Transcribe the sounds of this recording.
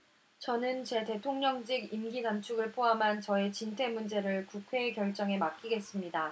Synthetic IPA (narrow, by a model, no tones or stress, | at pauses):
t͡ɕʌnɯnt͡ɕe̞te̞tʰoŋɲʌŋd͡ʑiɡimɡiɡant͡ɕʰuɡɯɭpʰoɦamɦant͡ɕʌe̞t͡ɕintʰe̞mund͡ʑe̞ɾɯɭkukʰwe̞ːkjʌɭt͡ɕ͈ʌŋe̞mak͈iɡe̞s͈ɯmɲida